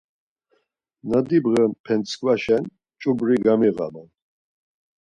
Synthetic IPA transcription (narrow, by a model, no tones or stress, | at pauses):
nad̪ibʁɛnpʰɛnt̪sʰkʰʼvaʃɛn | t͡ʃʼubɾiɡamiɣa̰man